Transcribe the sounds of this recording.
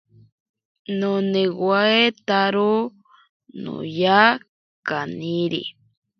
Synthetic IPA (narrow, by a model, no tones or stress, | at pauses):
nonewaet̪aɾo | no̰ja | kaniɾḭ